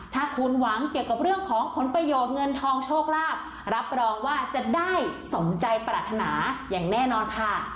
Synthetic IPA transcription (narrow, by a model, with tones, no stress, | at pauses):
t̪ʰaː˥˩kʰu˧nwa˩˦ŋki˨˩əwka˨˩p̚ɾɯ˥˩əŋkʰɔː˩˦ŋpʰo˩˦npɾa˧joː˨˩t̪̚ŋɤ˧nt̪ʰɔː˧ŋt͡ɕʰoː˥˩k̚ɾaː˥˩p̚ | ɾa˦˥p̚ɾɔː˧ŋwaː˥˩t͡ɕa˨˩daː˥˩jso˩˦ŋt͡ɕa˧jpɾaː˨˩t̪ʰːa˧naː˩˦jaː˨˩ŋnɛː˥˩nɔː˧nkʰa˥˩